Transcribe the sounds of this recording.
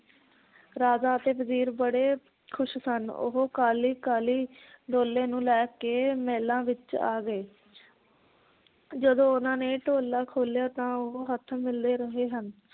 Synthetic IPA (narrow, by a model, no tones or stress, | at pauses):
ɾaːzaːət̪eːpəziːɾbəɽeː | kʰʊʃsənʊ̰ɦoːkaːliːkaːliː | ɖoːlːẽːnũːlɛːkeːmɛːlãːʋɪt͡ʃa̰ːɡəeː | d͡ʒəd̪õːʊnãːneːʈoːlːaːkʰoːljaːt̪ãːʊɦoːɦət̪ʰmɪld̪eːɾəɦeːɦən